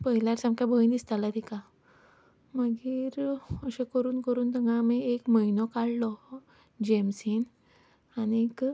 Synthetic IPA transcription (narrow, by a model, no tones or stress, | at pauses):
pəɦiljaɾsamkʰjabʱəind̪ist̪alat̪ʰika | məɡiːɾəɕẽkəɾuːnkəɾuːnt̪əŋɡʱãmiekməinɔkaɭlɔ | d͡ʑemsin | aniek